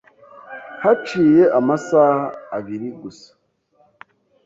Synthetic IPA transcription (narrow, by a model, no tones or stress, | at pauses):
hat͡ʃiːjeʔamasaːhaːβiɾiɡusḁ